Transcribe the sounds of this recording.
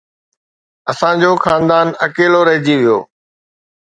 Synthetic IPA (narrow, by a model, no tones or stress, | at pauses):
ɐsãd͡ʑoːxaːnd̪aːnɐkeːloɾɐɦɪd͡ʑiʋijo̰ː